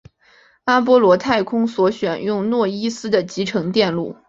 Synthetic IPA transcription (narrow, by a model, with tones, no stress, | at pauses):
a˥p̬wɔ˥lwɔ˧˥t̪ʰa˥˩ɪkʰʊ˥ŋswɔ˧˥ɕɥɛ˨˩njʊ˥˧ŋnwɔ˥˩i˥sɹ̩˥d̪ə˨t͡ɕi˧˥ʈ͡ʂʰɤ˧˥ŋt̪jɛ˥˧nlu˥˩